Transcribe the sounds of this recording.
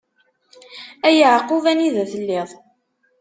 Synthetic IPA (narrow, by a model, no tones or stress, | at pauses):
æjəʕquvæniðæθəlːɪðˤ